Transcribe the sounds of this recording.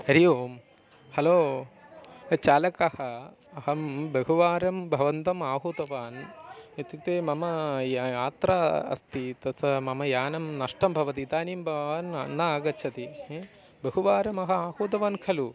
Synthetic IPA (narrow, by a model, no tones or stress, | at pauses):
hɐɾijoːm | hɐloː | t͡ʃaːlɐkɐhɐ | ɐɦɐmbɐɦuʋaːɾɐmbʱɐʋɐnt̪ɐmaːɦoːt̪ɐʋaːnɐt̪ut̪eːmɐmɐaːt̪ɾaɐ̰st̪it̪ɐsɐmɐmɐjaːnɐmnɐʂʈɐmbʱɐʋɐt̪it̪aːnimbʱɐanɐnːɐaːɡɐt͡ʃʰɐt̪i | bɐɦuʋaːɾɐmɐɦɐaːhoːt̪̬ɐʋaːnkʰɐlu